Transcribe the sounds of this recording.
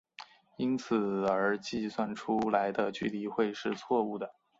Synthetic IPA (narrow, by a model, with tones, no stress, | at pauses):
i˥nt͡sʰɹ̩˨˩ə˞˧˥t͡ɕi˥˧swa˥˩nʈ͡ʂʰu˥la˧˥ɪd̪ə˧t͡ɕy˥˩li˧˩xwe˥˧ɪʂɻ̩˥˧t͡sʰwɔ˥˧u˥˩d̪ə˩